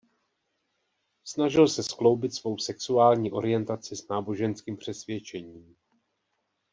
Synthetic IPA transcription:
snaʒɪlsɛsklo̞wbɪt̪svo̞wsɛksuaːlɲiːʔo̞̰ɾɪjɛnt̪at͡sɪsnaːbo̞ʒɛnskiːmpr̝̥ɛsvjɛt͡ʃɛɲiːm

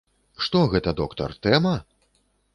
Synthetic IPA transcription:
ʂt̪ɔɣɛt̪ɐd̪ɔkt̪ɐ̰rt̪ɛmɐ

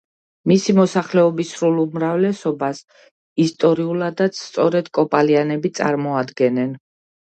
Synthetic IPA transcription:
misimɔsaχlɛɔbisɾulumɾavlɛsɔbas | ist̪ʼɔɾiulad̪at̪sʰt̪sʼɔɾɛd̪̥kʼɔpʼalianɛbit̪sʼa̰ɾmɔad̪ɡɛnɛn

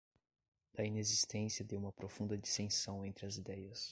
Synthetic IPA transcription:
d̪̥ɐinezist̪ẽsiɐd̪ewũmɐpɾofũnd̪ɐd͡ʒist̪ẽsɐ̃w̃ẽnt̪ɾɪɐzid̪ɛjɐs

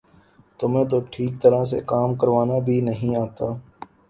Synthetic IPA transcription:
t̪ʊmẽːt̪oːʈʰiːk̚t̪əɾas̬ḛkaːmkəɾʋaːnabʱiːnəɦĩaːt̪aː

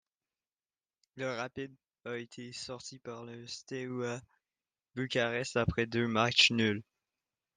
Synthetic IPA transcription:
ləʁapid̪̚ | aet̪ʰesɔʁt̪ipaʁləst̪ewa | bykʲaʁɛst̪apχɛd̪ømat͡ʃnyl

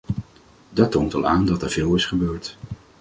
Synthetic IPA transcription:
dɑtːoːntɑ̰lˠaːndɑtɛɹv̥ɪːlˠɪsχəbøːɹt

